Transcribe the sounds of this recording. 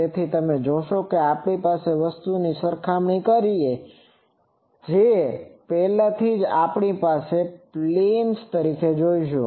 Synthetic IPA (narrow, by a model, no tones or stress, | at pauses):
et̪ʰit̪əmed͡ʒoʃokeapɳipaseʋəst̪unisəɾkʰamɳikəɾie | d͡ʒepɛɦlãt̪ʰid͡ʒapɳipaseplenst̪əɾikʰed͡ʒoiʃo